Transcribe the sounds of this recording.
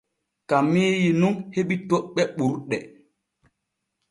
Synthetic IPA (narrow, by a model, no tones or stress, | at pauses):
kamiːjinuŋheɓitoɓɛɓuɾɗɛ